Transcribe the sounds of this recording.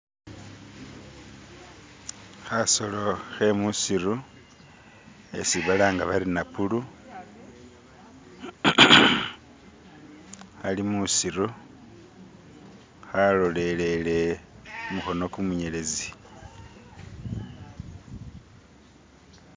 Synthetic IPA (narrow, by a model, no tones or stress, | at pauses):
xaso̞lo̞xe̞musiru | ḛsiβalaːŋɡaβaɾinapulu | alimusiɾu | xalole̞le̞le̞umuxo̞no̞kumuɲe̞lezi